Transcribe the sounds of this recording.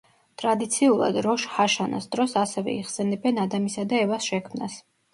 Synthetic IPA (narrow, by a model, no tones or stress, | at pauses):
t̪ʼɾad̪it̪sʰiulˠa̰d̪ɾɔʃhaʃana̰sd̪ɾɔsasɛvɛ̰iʁsɛnɛbɛnad̪amisad̪aɛvasʃɛkʰmnas